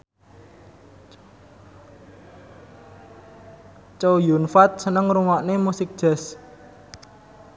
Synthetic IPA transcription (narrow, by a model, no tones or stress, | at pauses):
t͡ʃojunfat̪̚sənəŋruŋaʔnemusɪk̚d̥ʒ̥ɛ̤s